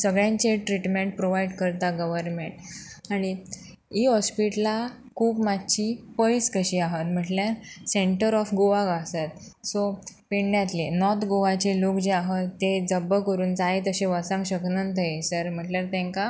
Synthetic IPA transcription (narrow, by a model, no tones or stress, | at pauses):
səɡɭjãɲt͡ɕeʈɾiʈmeɳʈ̚pɾoʋajɖkəɾt̪aɡəʋəɾmeɳʈ | aɽ̃i | iɦɔspiʈla | kʰuːpmad̪t͡ɕipəjskəɕiːaɦət̪m̤əʈljaɾseɳʈəɾɔfɡoʋaɡasat̪ | sopiɳnjat̪lenɔt̪ɡoʋat͡ɕelokd͡ʑeaɦət̪ːed͡zəbːəkəɾuːnd͡zaɦet̪əɕeʋət͡sãŋkɕəknənt̪ʰəesəɾm̤əʈljaɾt̪ẽŋka